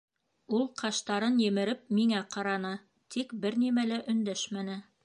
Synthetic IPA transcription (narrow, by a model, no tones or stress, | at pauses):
ulˠqʰɑʃt̪ɑɾɤnjɘ̆mɘ̆ɾɘp̚miŋæqɑɾɑnɤ | t̪ʰikbɘɾnimælæʔɵ̆nd̪æʃmænɘ